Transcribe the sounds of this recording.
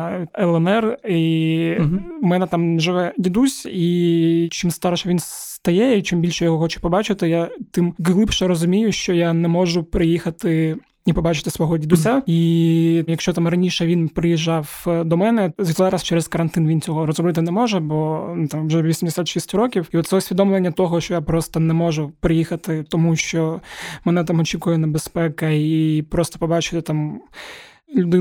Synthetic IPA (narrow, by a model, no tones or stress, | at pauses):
ɛlˠɛnɛri | mɛnɛt̪amʒɪʋɛdʲid̪usʲit͡ʃimst̪ɑɾɔʃɛʋʲins | t̪ɐjɛit͡ʃimbʲilʲʃɛjɔɦɔxɔt͡ʃɛ̥pɔbɑt͡ʃɪt̪ɪjat̪ɪmɦlˠɪpʃɛɾɔzʊmʲijʊʃt͡ʃɔjanɛmɔʒʊpɾɪjixɐt̪ɪ | ipɔbɑt͡ʃɪ̥t̪ɪsʋɔɦɔdʲid̪ʊsʲaijɐkʃt͡ʃɔt̪amrɐnʲiʃɛʋʲinpɾɪjiʒːɑwd̪ɔmɛnɛzʲit̪lˠɾast͡ʃɛɾɛzkɐɾɐnt̪ɪnʋʲint͡sʲɔɦɔɾɔzɾɔbɪt̪ɪnɛmɔʒɛbɔt̪amʋʒɛʋʲisʲimd̪esʲat̪ʃisʲtʲɾɔkʲiwiɔt̪sɛʊsʲʋʲid̪ɔmlˠenʲːɐt̪ɔɦɔʃt͡ʃɔjapɾɔst̪ɐnɛmɔʒʊpɾɪjixɐt̪ɪt̪ɔmuʃt͡ʃɔmɛnɛt̪̬amɔt͡ʃʲikʊjɛnɛbespɛkɐipɾɔst̪ɐ̥pɔbɑt͡ʃɪ̥t̪ɪt̪am | lʲʊd̪ɪ